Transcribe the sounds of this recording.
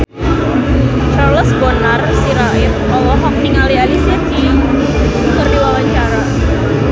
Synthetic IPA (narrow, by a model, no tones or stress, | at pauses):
t͡ʃarləsbɔnarsiɾawɪt | ɔlɔɦɔk̚niŋalialisiad̪ijaŋ | kərdiwawaɲt͡ʃaɾa